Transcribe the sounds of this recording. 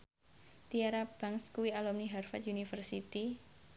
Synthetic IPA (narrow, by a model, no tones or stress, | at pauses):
t̪iaɾab̥aŋskuwialɔmniɦarfat̪junifərsit̪i